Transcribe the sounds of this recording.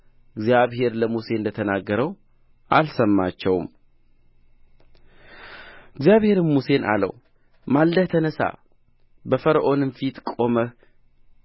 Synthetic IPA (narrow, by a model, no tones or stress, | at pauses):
ɪɡzjaβhe̞ɾləmuse̞ɨnd̪ət̪ʰənaɡːəɾəw | ʔalsəmːat͡ʃːɛwm | ɪɡzjaβhe̞ɾɨnmːuse̞na̰lə̰w | malːəht̪ʰənəsa̰ | bəfəɾəʔo̞nɨmfit̪kʼo̞mə